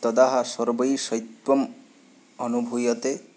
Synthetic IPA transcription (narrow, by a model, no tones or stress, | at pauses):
t̪ɔd̪aɦasɔɾbɔjsɔjt̪wɔm | ɔnubʱujɔt̪e